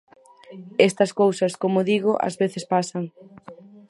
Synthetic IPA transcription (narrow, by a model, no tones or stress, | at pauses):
est̪ɐskowsɐskomʊðiɣʊʔɐ̰zβeθespasɐŋ